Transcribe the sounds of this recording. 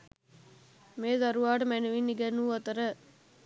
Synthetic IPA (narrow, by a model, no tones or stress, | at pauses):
meːzaɾuʋaːʈəmænuʋinːiɡænːuːɐt̪əɾə